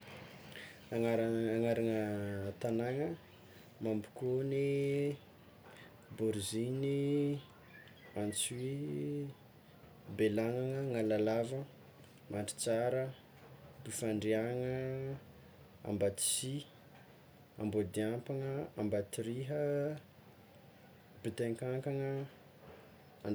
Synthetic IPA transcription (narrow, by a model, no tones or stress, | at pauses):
aŋaɾaaŋaɾaŋət̪anaŋə | mambu̥kuni | buɾzini | ant͡si | belaŋaŋəŋalalavə | maɳʈ͡ʂi̥t͡saɾə | bifaɳɖ͡ʐiaŋə | a̰mbat̪i̥si | a̰mbod̪iampaŋəambat̪iɾiɦə | bit̪eŋkaŋkaŋə | an